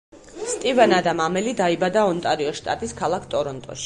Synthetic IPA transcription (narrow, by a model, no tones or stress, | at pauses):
st̪ʼivɛnad̪amamɛlid̪aibad̪aɔnt̪ʼaɾiɔʃt̪ʼa̰t̪ʼiskʰalˠakʰt̪ʼɔɾɔnt̪ʼɔ̰ʃi̥